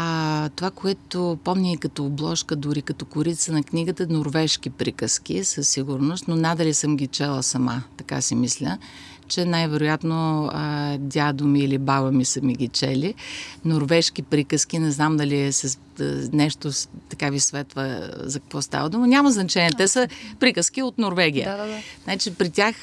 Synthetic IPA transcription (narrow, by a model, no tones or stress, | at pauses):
t̪ovakoɛt̪opɔmnʲiːkɐt̪oːblˠɔʃkəd̪ʊɾikɐt̪ɔkʊɾit̪sənɐknʲiɡət̪ənoɾvɛʃk̟ipɾikəsk̟ʲisəsːiɡʊɾnʊst̪nonad̪əlisəmɡʲit͡ʃɛlˠəsɐmat̪ɐka̰simislʲə̰ | t͡ʃɛnajvɛɾʊjat̪noəd̪ʲad̪ʊmiːlibavəmisəmiɡʲit͡ʃɛ̰linoɾvɛʃkʲipɾikəsk̟inɛznamd̪ɐliɛsɛ | nɛʃt̪ot̪ɐkavisvɛt̪və̰zɐkɐ̥kvɔst̪a̰vəd̪umənʲaməznɐt͡ʃɛnʲiɛt̪ɛsəpɾikəsk̟iot̪noɾvɛɡʲijənat͡ʃipɾitʲax